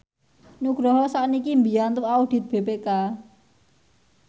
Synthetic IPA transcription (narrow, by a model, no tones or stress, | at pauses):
nuɡ̥ɾɔɦɔsaʔnikimbi̤ant̪uaud̥i̤t̪̚b̥e̤peka